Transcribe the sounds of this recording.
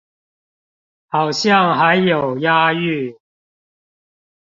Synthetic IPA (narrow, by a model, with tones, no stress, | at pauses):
hɑ˨˩wɕjɑ˥˨ŋɦa˨˧˥ɪjːo˨˩wjaː˥y˥˨